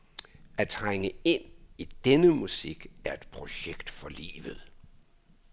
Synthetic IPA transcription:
æt͡sʰʁaŋəe̝n̰id̥enəmusiɡ̥æɐe̝d̥pʰʁo̝ɕeɡ̥d̥fɒ̽lḭːʋð̞̩ˠ

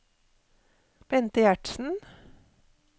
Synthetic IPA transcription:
b̥ɛnt̪əjæʈsn̩

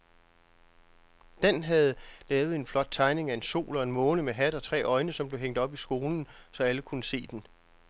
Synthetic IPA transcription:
d̥enɦæð̞̩ˠlɛːʊð̩ˠe̝nflɒ̽d̥̚t͡sʰɑ̈ɪne̝ŋæe̝nso̝̰ːlɒ̽e̝nmɔ̽ːnəmeɦæd̥ɒ̽t͡sʰʁɛ̰ːʔɒ̽ɪnəsɒmb̥le̝ɦeŋ̰d̥ɒ̽b̥isɡ̥o̝ːln̩sɒ̽æləkʰunəse̝̰ːd̥en

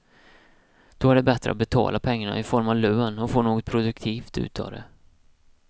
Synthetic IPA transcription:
d̪̥ɔhaɖɛbɛt̪ɾəa̰t̪̚bɛt̪ʰɑ̰ːlʔapʰɛŋːaɳa̰ʔɪfɔɾmavløːnɔfoːɳoːɡɔt̪pʰɾʊd̪ɵkt̪ʰiːft̪ʉ̟̰ːt̪ʰɑ̰ːd̪ɛ̰

